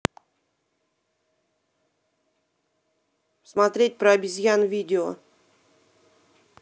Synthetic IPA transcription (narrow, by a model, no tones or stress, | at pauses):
smat̪ɾʲet̚ʲpɾəːbʲɪzʲjanvʲidʲɪo̰